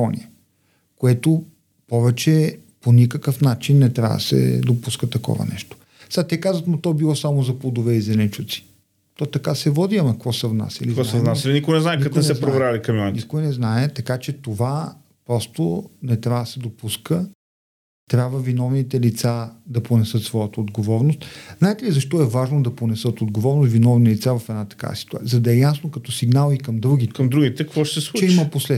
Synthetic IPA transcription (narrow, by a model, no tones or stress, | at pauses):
ɔnḭə | koɛt̪o | pɔvɛt͡ʃɛ | ponʲikəkəfnat͡ʃinːɛt̪ɾʲa̰və̰d̪̰sɛ̰d̪opuskət̪ɐkɔ̰vɐ̰nɛ̰ʃt̪o̥ | st̪ɛkazvət̪not̪ɔbilˠɔsamozɐplˠd̪ovɛizɛlɛnt͡ʃut̪si̥ | t̪ɔt̪ɐkasɛvɔd̪iɐmɐkvɔsɛvna̰sḭliikɔɛvnasilinikʊjnɛznaɛkɐt̪sɛpɾovɾalikɐmiɔninikojnɛznaɛt̪ɐkat͡ʃɛt̪ova | pɾɔst̪o̰nɛt̪ɾʲavəd̪sɛd̪opuskə | t̪ɾʲabvəvinɔvnit̪ɛlit̪sad̪ɐponɛsɤt̪svɔjət̪əod̪ɡovɔɾnost̪̚znaɛt̪ɛlizɐʃt̪ɔɛvaʒnod̪ɐponɛsɤt̪od̪̚ɡovɔɾnost̪vinɔvnilit̪savɐfɛd̪nat̪ɐ̥ka̰ɐ̰si̥t̪ua̰zɐd̪ɐɛjasnokɐt̪ɔsiɡnalˠikɐmd̪ɾuɡʲikɐmd̪ɾuɡit̪ɛkkvɔʃɛsɛslˠut͡ʃt͡ʃɛimɐposlɛ